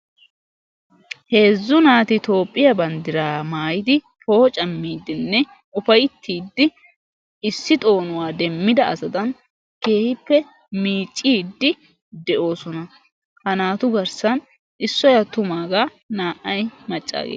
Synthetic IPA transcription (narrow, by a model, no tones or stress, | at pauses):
he̞ːzːʊnaːt̪ɪt̪o̞ːpʼːɪjɐbɐnd̪ɪɾaːmaːjɪd̪ɪ | pʰoːɔt͡ʃʼɐmːiːd̪ːɪnːɛ | ʊfɐjt̪ʰːiːd̪ːɪ | ɪsːɪt̪ʼo̞ːnʊwaːd̪ɛmːɪd̪ɐʔɐ̰zɐd̪ɐn | ke̞ːhɪpːɛ | miːt͡ʃʼːiːd̪ːɪ | d̪ɛʔo̞ːsɔnɐ | hɐnaːt̪ʊɡɐɾsɐn | ʔɪsːɔjɐt̪ʊmaːɡaː | naːʔɐjmɐt͡ʃʼːa̰ːɡḛ